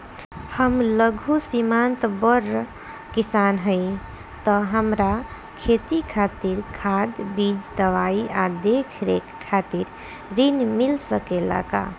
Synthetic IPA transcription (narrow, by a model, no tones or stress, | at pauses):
həmləɡʱusimant̪bəɾ | kisanɦəɪ | t̪əɦəmɾa | kʰet̪ikʰat̪iɾkʰad̪bid͡ʒd̪əʋaiad̪ekʰɾekʰːat̪iɾ | ɾinmilsəkela̰ka̰